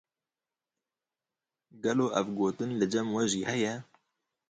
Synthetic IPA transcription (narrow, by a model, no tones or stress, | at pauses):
ɡɛloːʔɛvɡoːt̪ɨnlɨd͡ʒɛmwɛʒiːhɛjɛ